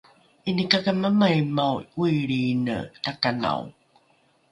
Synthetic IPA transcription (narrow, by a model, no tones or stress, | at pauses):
inikakamamajmawuiɭinə̰takana̰w